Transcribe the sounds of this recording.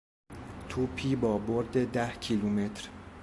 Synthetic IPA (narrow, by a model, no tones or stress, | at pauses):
t̪ʰuːpʰiːbɒːboɾd̪ed̪æhcʰiluːme̞t̪ʰɾ